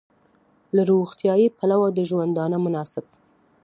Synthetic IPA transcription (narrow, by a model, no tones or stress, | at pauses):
laɾoɣt̪jɑjipalawad̪əʒwand̪ɑnəmʊnɑsɪb̚